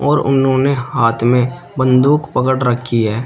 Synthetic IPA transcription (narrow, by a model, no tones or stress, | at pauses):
ɔːɾʊ̰nɦõnehaːt̪ʰmẽ | bə̃nd̪uːkpəkəɽɾəkʰːiɦɛː